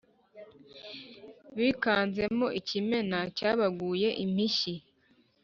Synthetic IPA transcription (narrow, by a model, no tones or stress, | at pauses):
βikaːnze̞mo̞ʔicime̞nacaːβaɡuːje̞ʔim̥iʃi